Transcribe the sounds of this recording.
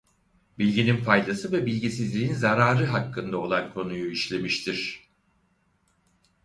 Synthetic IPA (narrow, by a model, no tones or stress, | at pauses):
bilʲɟinimfajd̪asɯvɛbilʲɟisizlʲiinzaɾaːɾɯɦakːɯnd̪ao̞lˠankʰo̞nujuiʃlʲe̞miʃt̪ʰiɾ̥